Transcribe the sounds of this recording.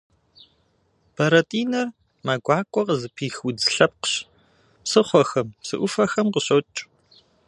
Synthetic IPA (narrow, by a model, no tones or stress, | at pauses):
b̥ɐɾɐtʼiːnɐr | mɐɡʷɑːkʷʼɔqzɨpʰiːxwud͡zɬɐp̚qə̥ɕ | psɨχʷɔxɐmsɨʔʷʊfɐxɐmqəɕɐt͡ʃʼ